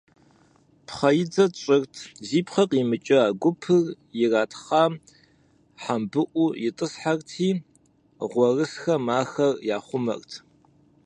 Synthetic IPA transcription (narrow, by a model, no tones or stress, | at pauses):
pʰχɐjɪd͡zɐt͡ʃʼɪrtʰziːpχɐqʼimɨt͡ʃʼɪaːɡʷʊpʰɨr | jɪraːtʰχɑːm | ħambɨʔʷujɪtʼɨsħartʰiː | ʁʷɔrɨsxɐmaːxɐrjaːχʷʊmɐ̰rtʰ